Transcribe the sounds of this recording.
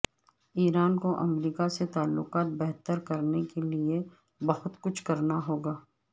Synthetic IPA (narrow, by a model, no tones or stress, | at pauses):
iːɾaːnkoʔɐmɾiːkaset̪aːlːʊqaːt̪̚bɛɦt̪əɾkɐɾnekelie | bɐhʊt̪kʊt͡ʃʰkɐɾnaɦoːɡaː